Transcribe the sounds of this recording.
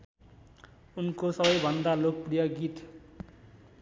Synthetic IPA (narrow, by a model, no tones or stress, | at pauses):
unkosʌbʌjbʱʌnd̪alok̚pɾijʌɡit̪